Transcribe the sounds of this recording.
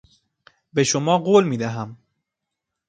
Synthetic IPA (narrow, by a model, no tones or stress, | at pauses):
be̞ʃomɒːɢoːlmiːd̪æɦæm